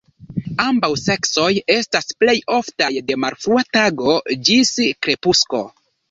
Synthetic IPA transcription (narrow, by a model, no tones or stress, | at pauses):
ambawse̞kso̞je̞stasple̞jo̞ftajde̞maɾfɾuataɡo̞d͡ʒiskɾe̞pusko̞̰